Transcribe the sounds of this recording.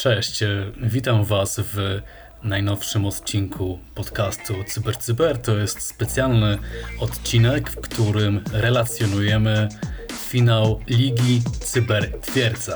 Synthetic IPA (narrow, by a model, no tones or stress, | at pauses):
t͡ʂɛɕt͡ɕvʲit̪amvasv | najnɔfʂɘmɔt̪t͡ɕiŋkʰupɔt̪kast̪ut̪sɨbɛɾt̪sɨbɛɾt̪ɔjɛst̪spɛt̪sʲjalnɘɔt̪t͡ɕinɛkfkt̪uɾɘmɾɛlat̪sʲjɔnujɛmɘfʲinawlʲiɡʲit̪sɨbɛɾt̪fʲjɛɾd̪za